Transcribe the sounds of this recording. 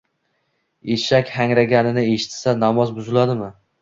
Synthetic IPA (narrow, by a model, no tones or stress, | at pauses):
eʃakʲhaŋɾaɡʲanɪnɪe̞ʃɪ̥t̪sanamɒzbʊzɪlad̪ɪmɪ